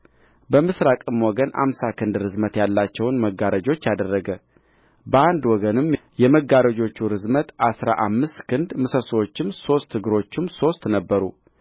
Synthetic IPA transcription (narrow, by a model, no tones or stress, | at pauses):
bəmɨsɾakʼɨmwɔɡənʔa̰msakʰɨnd̪ɾɨzmət̪jalːat͡ʃːɛwnməɡːaɾəd͡ʒo̞t͡ʃːjad̪ərːəɡə | bəand̪wɔɡənɨmjɛməɡaɾəd͡ʒo̞t͡ʃːuɾɨzmət̪ʔasɾa̰ʔamːɨst̪kʰɨnd̪mɨsəsəwot͡ʃːɪmso̞st̪ʰːɨɡɨɾo̞t͡ʃːɪmso̞st̪nəbːəɾṵ